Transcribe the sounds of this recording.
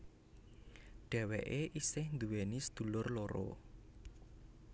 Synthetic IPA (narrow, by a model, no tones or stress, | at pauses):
ɖ̥ɛ̤weʔeʔisɪhnd̪uwenisə̥d̪̥ṳlʊrloɾɔ̰